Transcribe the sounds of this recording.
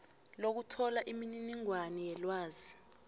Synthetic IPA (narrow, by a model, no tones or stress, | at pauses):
lok̬utʰɔlaʔimininiŋwanijɛlwaːzi